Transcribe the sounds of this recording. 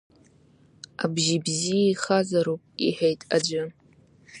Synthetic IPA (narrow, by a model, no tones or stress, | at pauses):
abʒibzijaiχazaɾupʼḭħejtʼad͡ʒʷɨ